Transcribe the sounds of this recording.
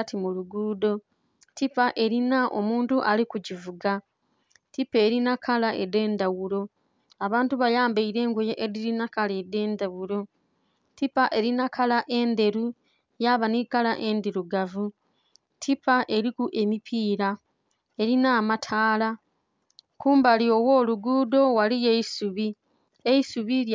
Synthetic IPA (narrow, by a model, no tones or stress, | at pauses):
timuluɡuːdo̞ | tipaʔe̞ɾinaʔo̰muːntuʔalikuɟivuɡa | tipe̞ːɾinakʰalaʔede̞ːndawuɾo̞ | aβaːntuβajaːmbaiɾe̞ːŋɡojeʔediɾinakalede̞ːndawuɾo̞ | tipaʔe̞ɾinakʰalaʔe̞nde̞ɾu | jaβanikalaʔe̞ndiɾuɡavu | tʰipaʔe̞ɾikuʔe̞mipʰiːɾa | e̞ɾinaːmatʰaːla | kuːmbalio̞wo̞ːluɡudo̞walijeisuβi | eisuβi